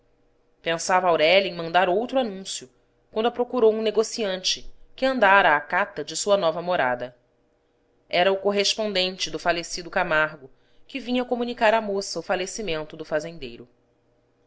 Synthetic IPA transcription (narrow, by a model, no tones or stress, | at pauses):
pẽsavɐawɾɛlɐẽj̃mɐ̃nd̪aɾowt̪ɾuanũsjʊ | kwɐ̃nd̪ʊɐpɾokuɾowũneɡosiɐ̃nt͡ʃɪkɪɐ̃nd̪aɾɐːkat̪ɐd͡ʒɪsuɐnɔvɐmoɾa̰d̪ɐ | ɛɾɐʊkoɦeʃpõnd̪ẽnt͡ʃɪd̪ʊfalesid̪ʊkamaɾɡʊ | kɪvĩɲɐɐkomunikaɾamosɐʊfalesimẽnt̪ʊd̪ʊfazẽnd̪ejɾʊ